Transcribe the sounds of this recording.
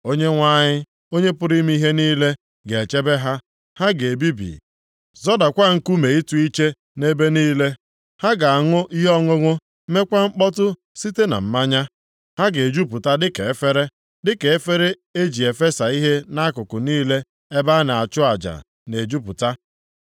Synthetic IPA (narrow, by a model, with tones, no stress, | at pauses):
o˦ɲe˦ŋʷa˦ɲɪ˦ | o˦ɲe˦pʊ˦ɾi˦mi˦i˦ɦe˦niː˦le˦ | ɡe˨e˨t͡ʃe˦be˦ɦa˦ | ha˦ɡe˨bi˦bḭ˨ | zɔ˦da˨kʷa˦˨ŋ̩˦ku˦me˨i˦tu˦i˦t͡ʃe˦ | ne˦be˦niː˦le˦ | ha˦ɡa˨a˨ŋʊ˦ʔi˦ɦɔ˦ŋʷʊ˦ŋʊ˦ | me˦kʷa˦ŋ͡m̩˦k͡pɔ˦tʊ˦ | si˦te˦na̰˨m̩˦ma˦ɲa˦ | ha˦ɡe˨d͡ʒu˦p̬ʊ˨ta˦dɪ˦ke˨e˦fe˦ɾe˦ | dɪ˦ke˨e˦fe˦ɾe˦ | e˦d͡ʒi˨e˨fe˦sa˨i˦ɦe˦na˦kʊ˨kʊ˨niː˦le˦ | e˦ba˦na˨a˨t͡ʃʊ˦a˨d͡ʒa̰˨ | ne˨d͡ʒu˦pʊ̰˨ta˦